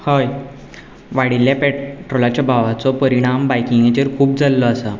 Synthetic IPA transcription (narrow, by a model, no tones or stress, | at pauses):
hoj | ʋaɽiljapɛʈɾolat͡ɕjabʱaʋat͡sɔpəɾiɽ̃ambajkiŋɡet͡ɕeɾkʰuːp̚d͡zalːɔasə